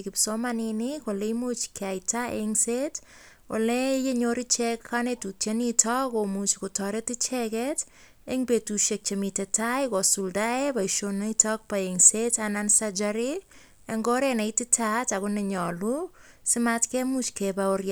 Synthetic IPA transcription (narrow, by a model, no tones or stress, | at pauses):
kipsɔmaninikolemut͡ʃkɛajtaʔḛŋset | wɔ̰lɛjeɲoɾit͡ʃɛkkanetutjenitʰɔkomut͡ʃkutɔɾetit͡ʃɛkɛt | eŋbetuʃek̚t͡ʃemitɛtajkɔsuldaepaiʃonaitɔk̚paeŋsetanansad͡ʒaɾi | eŋɡɔɾenajtitʰatakʊnɛɲɔlu | sɪmatkɛmut͡ʃkɛbaorja